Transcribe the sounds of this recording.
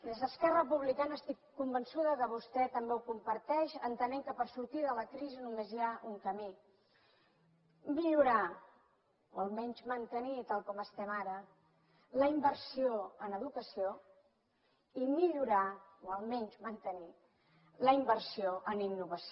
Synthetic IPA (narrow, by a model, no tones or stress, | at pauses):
d̪ezðəskɛrəəpuβlikanəːst̪ikːumbənsuðəkəβust̪ɛt̪əmbewkumpəɾt̪ɛʃənt̪əneŋkəpəɾsuɾt̪iðələkɾizinumeziaʔuŋkəmi | miʎuɾa | oəlˠmɛɲʲzmənt̪ənit̪alˠkɔməst̪ɛmaɾə | ləimbəɾsioənəðukəsio | imiʎuɾaoəlˠmɛɲzmənt̪əni | ləimbərsioʔəninːuβəs